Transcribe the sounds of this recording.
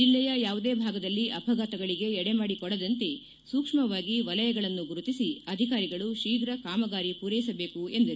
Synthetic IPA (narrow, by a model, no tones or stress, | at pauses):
d͡ʒilːɛjɐjaːʋud̪e̞ːbʱaːɡɐd̪ɐlːiʔɐpʰɐɡaːt̪ɐɡɐɭiɡe̞ɛɽemaːɽikɔɽɐd̪ɐnt̪e̞ | suːkʂmɐʋaːɡiʋɐlɐjɐɡɐɭɐnːuɡuɾut̪isiɐd̪ʱikaːɾiɡɐɭuʃiːɡɾɐkaːmɐɡaːɾipuːɾɐjisɐbe̞ːkuend̪ɐɾu